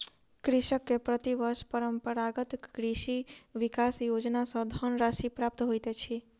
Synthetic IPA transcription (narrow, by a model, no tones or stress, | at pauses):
kɾɪʃəkːepɾət̪iʋəɾʃpəɾəmpəɾaɡət̪kɾiʃiʋikasjod͡ʒnasɔ̃d̪ʱənɾaʃipɾap̚t̪ɦojt̪et͡ʃʰi